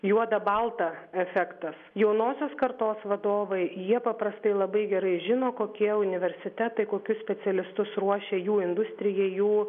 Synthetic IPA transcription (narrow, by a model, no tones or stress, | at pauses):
juɔd̪ɐbɐlˠt̪ɐɛfʲɛkt̪ɐsjɛʊnoːsʲoːskɐrt̪oːsʋɐd̪oːʋɐɪjiɛpɐpɾɐst̪ɐɪlˠɐbɐɪɡʲɛɾɐɪʒʲɪnoːkoːkʲiɛʊnʲɪʋʲɛɾʲsʲɪt̪ʲɛt̪ɐɪkoːkʲʊssʲpʲɛsʲɛlʲɪst̪ʊsruɔʃʲeːjuːɪnd̪ʊsʲt̪ʲɾʲɪjɛɪjuː